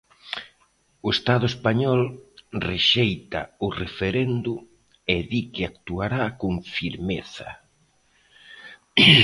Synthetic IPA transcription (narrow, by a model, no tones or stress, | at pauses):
ʊest̪aðʊespaɲɔlreʃejt̪a̰ʊrefeɾɛnd̪ʊ | eðikɪakt̪uaɾakoŋfiɾmeθɐ̰